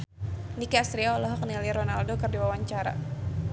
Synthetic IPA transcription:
nikaːst̪ɾiaɔlɔɦɔk̚niliɾɔnaldokɨrdiwawaɲt͡ʃaɾa̰

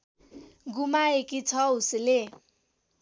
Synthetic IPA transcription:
ɡumaekit͡sʰʌusile

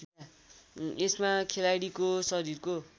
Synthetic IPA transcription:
esmakʰelajɽikosʌɾirko

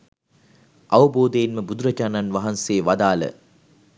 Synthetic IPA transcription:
ʔaʋəboːd̪ejinməbud̪uɾɐd͡ʒaːnanʋaɦanseːʋad̪aːlə̰

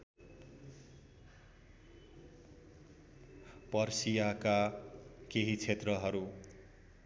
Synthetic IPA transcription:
pʌrsijaka | keɦit͡sʰet̪rʌɦʌɾu

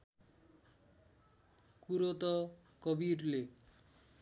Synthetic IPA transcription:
kuɾot̪ɔkɔbiɾle

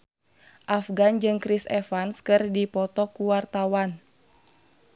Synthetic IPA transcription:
ʔafɡand͡ʒɨŋkɾisɛfanskɨrdipɔt̪ɔkuwart̪awan

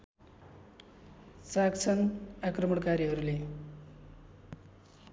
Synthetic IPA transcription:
sakt͡sʰʌnakrʌmʌɽkaɾiɦʌɾule

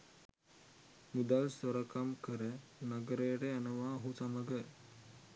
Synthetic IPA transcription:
mud̪alsɐɾɐkamkəɾenɐɡɐɾeɽeɐnɐʋaɦusamɐɡəɾ

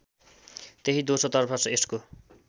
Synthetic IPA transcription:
t̪eɦid̪osot̪ʌrpʰʌsʌesʈko

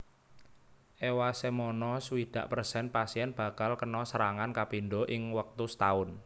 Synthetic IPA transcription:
ʔewasemɔnɔsuwid̪̥ä̤ʔpərsɛnpasiɛnb̥ä̤kalkənɔsəɾaŋankapinɖɔʔɪŋwək̚t̪ust̪aʊn

